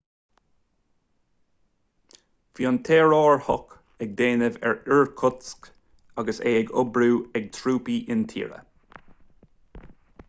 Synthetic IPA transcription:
fjɔnt̪ʰeːɹɔːɹhɔk | ɛɡ̚d̪eːnəvɛ̰ɹɪɹkʰɔt̪sk | ɑɡəseːɛɡɔbɹuːɛɡ̚t̪ʰɹuːpiːʔɪnt̪ʰḭːɹə̰

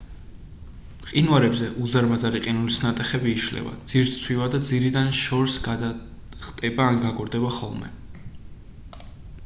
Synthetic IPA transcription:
qʼinwaɾɛbzɛʔuzaɾmazaɾiqʼinulisnat̪ʼɛχɛbiːʃlɛ̰va̰d̪z̥iɾsʰwivad̪ad̪ziɾid̪anʃɔɾsɡad̪a | χt̪ʼɛbaːnɡaɡɔɾd̪ɛbaχɔlˠmɛ̰

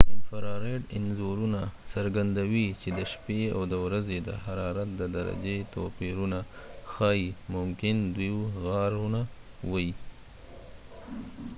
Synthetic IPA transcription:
faɾɑɾeɖɪnzoɾunasaɾɡand̪awit͡ʃed̪əʃpea̰wd̪əwɾazed̪ə̰haɾɑɾat̪̚d̪əd̪aɾa̰d͡ʒet̪opiɾunaxɑimʊmkɪnd̪wiwɣɑɾuna | wəji

